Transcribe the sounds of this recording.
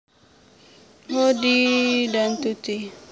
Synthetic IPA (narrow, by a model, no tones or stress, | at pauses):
hodidant̪ut̪i